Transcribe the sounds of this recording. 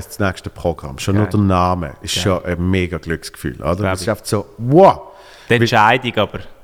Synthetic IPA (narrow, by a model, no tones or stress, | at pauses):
st͡snɛkʃtəpʁ̥oɡ̥ʁa̰mʃonʊːɐdənaːmə̰ɪʃʃoʔəmeːɡaɡ̥lʏkskfy̰ːlʔo̰dəʁɛsɪʃaɪfətsowɔ | tɛnɪt͡ʃaɪdiɡɑb̥əɾ